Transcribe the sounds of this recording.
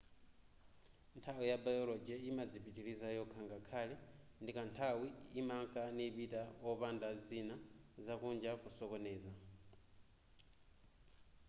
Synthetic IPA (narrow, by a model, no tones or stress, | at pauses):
ntʰawijabajɔlɔd͡ʒɛimad͡zipitiɺizajɔkʰaŋɡakʰalɛndikantʰawiimaŋkʼaniβitaɔpandad͡zinazakund͡ʒakusɔkɔnɛːza